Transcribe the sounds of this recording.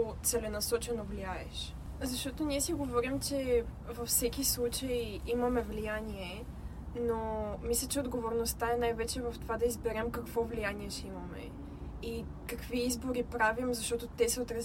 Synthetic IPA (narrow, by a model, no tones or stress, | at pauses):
t̪sɛlɛnɐsɔt͡ʃɛnovliaɛʃ | zɐʃt̪ɔt̪oniɛsiɡovɔɾimt͡ʃɛ | vɐfsɛkislˠut͡ʃəjimɐmɛvlijaniɛ | nomislʲɐt͡ʃɛod̪ɡovoɾnost̪aɛnajvɛt͡ʃɛvɐft̪ovad̪ɐizbɛɾɛmkɐkv̥ɔvlijaniɛʃɛimɐmɛ̰ | i | kɐkviizboɾipɾavimzɐʃt̪ɔt̪ot̪ɛsɛot̪ɾɐ